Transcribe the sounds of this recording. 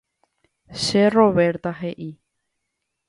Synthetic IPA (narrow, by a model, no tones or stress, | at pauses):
ʃero̞βeɾt̪aɦe̞ʔi